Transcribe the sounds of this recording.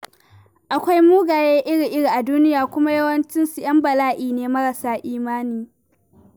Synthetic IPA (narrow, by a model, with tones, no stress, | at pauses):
ʔa˨kʷa˦jmuː˦ɡaː˨jeː˦ʔɪ˦ɽi˨ʔɪ˦ɽi˨ʔa˨duː˦nɪ˦jaː˨kʷʊ˦ma˦jɐ˦wɐ˦nt͡ʃɪ˦nsu˨j̰ɐ˦mbɐ˨laː˦ʔiː˨neː˦mɐ˦ɽɐ˨saː˦ʔiː˦maː˦niː˨